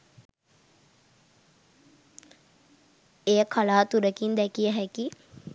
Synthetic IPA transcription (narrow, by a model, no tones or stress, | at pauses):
ejəkʰalaːt̪uɾəkind̪ɛkijəɦæki